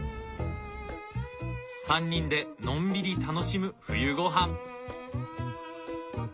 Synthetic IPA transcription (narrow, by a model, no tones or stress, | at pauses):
sãɲ̟ːĩnd̪e̞nõ̞mbʲiɾʲit̪ano̞ɕimɯ̟ɸɯ̟jɯ̟ɡo̞ɦãŋ